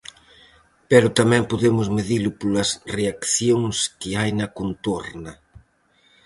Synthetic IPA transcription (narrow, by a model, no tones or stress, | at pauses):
pɛɾʊt̪amɛ̃mpoðemʊzmeðilʊpolɐsreakθjoŋskɪajnɐkont̪oɾnɐ